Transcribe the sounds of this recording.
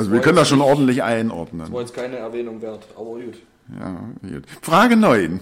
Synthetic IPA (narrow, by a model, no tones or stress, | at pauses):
alzoviːɐkœnəndasʃoːnʔɔɐdn̩tlɪçʔaɪnʔɔ̰ɐdnə̰nːjɛt͡skʰaɪnəɛɐvɛːnʊŋveːɐtʔa̰ːbɐjuːt | ja̰ːjṵːtfʁ̥aːɡənɔʏn